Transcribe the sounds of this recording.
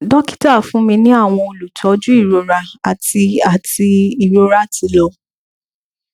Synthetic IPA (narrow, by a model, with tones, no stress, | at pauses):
dɔ˦ki̥˦ta˦˨fũ˨˦mĩ˧nĩ˦a˦˨w̃ɔ̃˧o˧˨lu˨tʰɔ˨˦d͡ʒũ˦i˦˨ɾo˨˧ɾa˧a˨ti˧a˨ti˧i˨ɾo˦ɾa˦˨ti˧lɔ˧